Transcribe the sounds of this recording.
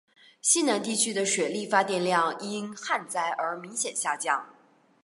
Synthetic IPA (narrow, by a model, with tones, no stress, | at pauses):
ɕi˥na˧˥nt̪i˥˩t͡ɕʰy˥d̪ə˨ʂɥɛ˨˩li˥˩fa˥t̪jɛ˥˧nljɑ˥˩ŋi˥nxa˥˧nt͡sa˥ɪʔə˞˧˥mi˧˥ŋɕjɛ˨˩nɕja˥˧t͡ɕjɑ˥˩ŋ